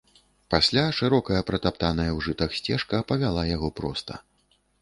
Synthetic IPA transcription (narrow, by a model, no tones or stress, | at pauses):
pasʲlʲaʂɨɾɔkɐjɐpɾɐt̪apt̪anɐjɐwʐɨt̪ɐxsʲt͡sʲɛʂkɐpɐvʲalˠajaɣɔpɾɔst̪ɐ̰